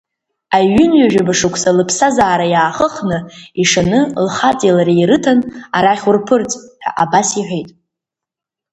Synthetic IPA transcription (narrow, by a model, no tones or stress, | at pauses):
aɥʏnɥaʒᶣabaʂɨkʷʰʼsalɨpʰsazaːɾajaːχəχnɨiʂanɨlχat͡sʼelaɾijɾɨtʰanaɾaχʲʊrpʰɨrt͡sʼħᶣa̰ʔabasiħʷᶣejtʼ